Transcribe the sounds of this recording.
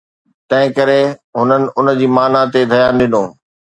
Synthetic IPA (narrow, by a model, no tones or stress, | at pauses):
t̪ɐ̃ɦɪ̃kɐɾeɦʊnənɪ̆ʔʊn̆d͡ʑiːmaːnat̪ed̪ʱɐjaːnɗɪnõː